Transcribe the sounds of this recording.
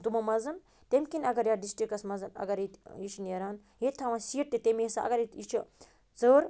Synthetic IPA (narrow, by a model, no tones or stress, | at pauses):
t̪umɐmɐzɐn | t̪emkinɐɡɐɾjaːɖisʈɾikɐsmɐzɐnɐ̰ɡɐɾit̪it͡ʃʰneɾaːn | ɦet̪ʰɐʋãːsiːʈt̪et̪emesaɐ̰ɡɐɾit̪it͡ʃʰu | t͡səːɾ